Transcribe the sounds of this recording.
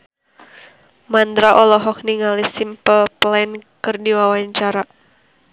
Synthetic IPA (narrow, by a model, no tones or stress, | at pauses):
mand̪ɾaʔɔlɔɦɔk̚niŋalisimpəlplɛnkɨrdiwawaɲt͡ʃaɾa